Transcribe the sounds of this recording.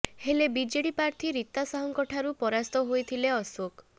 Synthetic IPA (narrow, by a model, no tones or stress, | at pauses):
helebid͡ʒeɽipaɾt̪ʰiɾit̪ːasaɦɔŋkɔʈʰaɾupɔɾast̪ɔɦojt̪ʰileɔsok